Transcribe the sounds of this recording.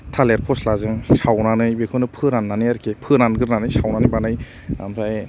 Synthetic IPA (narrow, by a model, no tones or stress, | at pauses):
tʰaleɾpʰɔslazɯŋsawnanɯjbekʰɯnɯpʰɯɾanːanɯjaɾkʰepʰɯɾanɡɯɾnanɯjsawnanɯjbanɯj | a̰mɾa